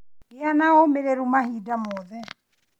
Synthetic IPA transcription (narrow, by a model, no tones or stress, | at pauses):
eanaomeɾɛɾumahidamɔðɛ